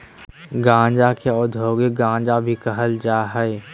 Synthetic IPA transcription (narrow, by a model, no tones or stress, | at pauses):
ɡãːd͡ʒakʰeɔːd̪ʱoːɡeɡãːd͡ʒabʱikəɦəld͡ʒaːɦɛe